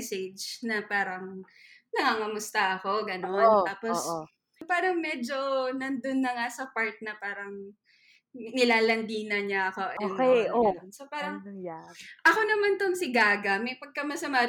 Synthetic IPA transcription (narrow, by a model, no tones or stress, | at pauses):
sɛd͡ʒnɐpaːɾɐŋ | nɐŋaːŋɐmʊst̪ɐʔɐko̞ɡɐnontaːpos | paːɾɐŋmɛːd͡ʒonɐnd̪onːɐŋasɐpaɹt̪̚nɐpaːɾɐŋ | nɪlaːlɐnd̪iːnɐɲɐʔɐkoʔɐjʊnkɛɐnonsopaːɾɐŋ | ʔɐko̞nɐmant̪oŋsɪɡaːɡɐmɐjpɐɡ̚kɐmɐsɐmaː